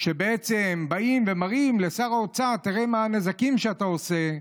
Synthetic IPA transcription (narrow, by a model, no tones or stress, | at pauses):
ʃe̞be̞et͡sembaimve̞maʁimle̞saʁao̞t͡sat̪iʁe̞maane̞zakimʃeatao̞se̞